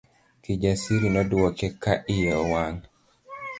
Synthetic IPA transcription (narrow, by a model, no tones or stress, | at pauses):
kid͡ʒasiɾinɔduwɔkɛkaʔɪjɔwaŋ